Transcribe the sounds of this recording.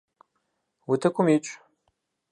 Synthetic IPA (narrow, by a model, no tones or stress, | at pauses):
wʊtʰɐkʷʰʼʊmit͡ʃʷʼ